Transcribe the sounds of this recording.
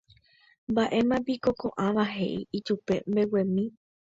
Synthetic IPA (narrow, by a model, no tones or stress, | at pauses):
mbaʔe̞mãbikokõ̞ʔãʋaɦe̞ʔiit͡ʃupe̞mbe̞wẽ̞mĩ